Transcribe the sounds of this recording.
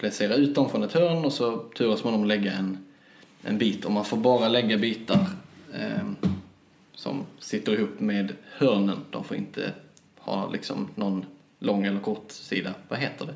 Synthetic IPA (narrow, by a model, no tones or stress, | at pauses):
pʰlɛseːɾaʉ̟ːt̪̚d̪ɔmfɾɔnɛt̪hœːɾɳɔsɔt̪ʰʉːɾasmand̪ɔmɔlɛɡːaɛn | ʔɛ̰nbiːt̪ʰɔmanfoːɾbɑːɾalɛɡːabiːt̪aɾ | sɔ̰msɪt̪ːəɾɪhuːpːmeːd̪hœɾɳənd̪̥ɔ̰mfoːɾɪ̰nt̪ʰə̰ | hɑ̰ːlɪ̰ksɔ̰mnɔn | lɔŋːɛlːəɾkʰɔʈsḭːd̪avaɦeːt̪əɖɛ